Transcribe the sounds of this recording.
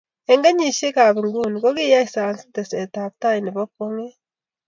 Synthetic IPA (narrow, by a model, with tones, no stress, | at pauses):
e˨ŋɡa˦ɲi˨ʃe˦ka˨βi˨ŋɡu˦ni˨ko˦ɣi˦ja˦isa˨nsi̥˦te˨se˨ta˨β̚ta˦ini˨βo˦ko˦ŋe˦